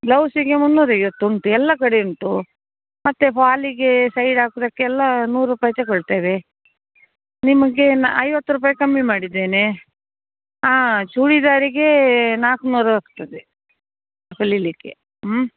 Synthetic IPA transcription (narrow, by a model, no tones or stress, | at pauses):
lɐwsiɡe̞munːuːɾɐjʋot̪ːuɳʈuɛlːɐkɐɽeuɳʈu | mɐt̪ːepaːliɡe̞sɐjɖaːkud̪ɐkːeɛlːɐnuːɾːupaːjɐt̪ekɔɭt̪aːʋe | nimɐɡe̞nɐjʋɐt̪ːɾup̬aːjɐkɐmːimaːɽid̪ːeːne | aːt͡ʃuːɽid̪aːɾiɡe̞naːknuːɾuaːkt̪ɐd̪e | pʰɐlilikːḛ